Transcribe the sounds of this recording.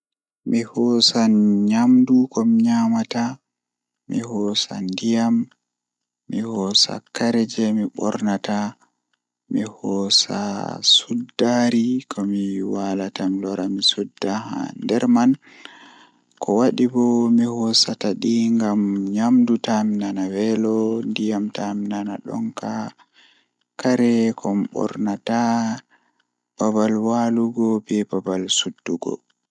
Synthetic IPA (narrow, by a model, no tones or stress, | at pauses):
mihɔsaɲamdukɔmiɲamata | mihɔsa̰ndijamː | ihɔsa̰kaɾɛd͡ʒɛmiɓɔ̰ɾnata | mihɔsa̰sudːaɾikʰɔmiwalatamilɔɾamisudːaha̰ndɛɾman | kʰɔwaɗibɔmihɔsataɗiŋɡamɲamdutaminanawɛlɔndijamtamnanaɗɔ̰ŋka | kaɾɛkʰɔmɓɔ̰ɾnata | b̥abalwaluɡɔbɛbabalsudːuɡɔ̰